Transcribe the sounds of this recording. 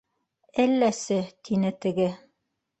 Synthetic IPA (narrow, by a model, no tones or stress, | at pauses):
ælːæsɘt̪ʰinɘt̪ɘ̆ɡɘ